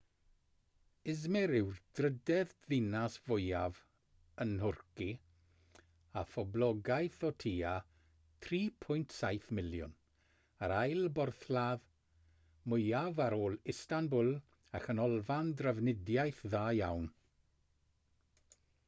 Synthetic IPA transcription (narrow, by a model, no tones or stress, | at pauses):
ɪzmɛɾɪwrd̥rədɛððɪnasv̥ʊjav | ənhʊrki | afɔblɔɡajθɔtʰiːa | tʰriːpʰʊjntʰsajθmɪljʊ̰n | aɾajlˠbɔrθlˠað | mʊjavaɾoːlˠɪstanbʊlˠ | axənɔlˠvandrəvnɪdjajθðaːjawn